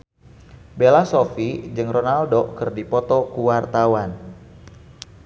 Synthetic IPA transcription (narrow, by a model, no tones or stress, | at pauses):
belasofid͡ʒɨŋronaldokɨrdipɔt̪ɔkuwart̪awan